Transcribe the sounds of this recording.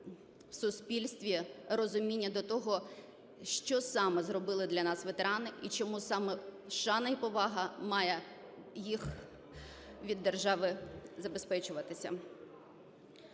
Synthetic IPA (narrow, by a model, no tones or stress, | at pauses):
wsʊspʲilʲsʲt̪ʲʋʲiɾɔzʊmʲinʲːɐd̪ɔt̪ɔɦɔ | ʃt͡ʃɔsɑmɪzrɔbɪlˠɪd̪lʲɐnɑsʋet̪eɾɑnɪʔit͡ʃɔmusɑmɛʃɑnɐjpɔʋɑɦɐmɑjɛ | jix | ʋʲid̪ːerʒɑʋɪzɐbespɛt͡ʃʊʋɐt̪ɪsʲɐ̰